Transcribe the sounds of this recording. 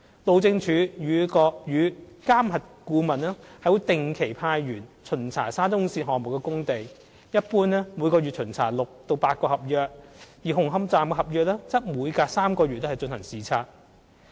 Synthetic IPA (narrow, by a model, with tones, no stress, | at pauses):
lo˨wt͡sɪ˧ŋt͡ʃʰyː˨˧˥jyː˨˧kɔː˧jyː˨˧˥kaː˥mhɐ˨t̚kuː˧mɐ˨˩nɛː˥hɐ˨˥wt̪ɪ˨ŋkʰe˨˩jpʰaː˧jɥyː˨˩nt͡sʰɵ˨˩nt͡sʰa̰ː˨˩saː˥tʊ˥ŋsiː˧t̚ɦɔː˨˩mʊ˨kːɛː˧kʊ˥ŋt̪e˨j | jɐ˥t̚puː˥nɛː˥mu˨˧jkɔː˧ɥyː˨t̚t͡ʃʰɵ˨˩nt͡sʰa̰ː˨˩lʊ˨k̚t̪o˧wpaː˧t̚kɔː˧hɐ˨p̚jœː˧k̚jiː˨˩ɦʊ˨˩ŋɦɐ˥mt͡saː˨mkɛ˧ɦɐ˨p̚jœː˧k̚lɛː˥t͡sɐ˥t̚muː˨˧jkaː˧saː˥mkɔː˧ɥyː˨t̚lːhɐ˨jt͡ʃɵ˧nhɐ˨˩ŋsiː˨t͡sʰaː˧t̚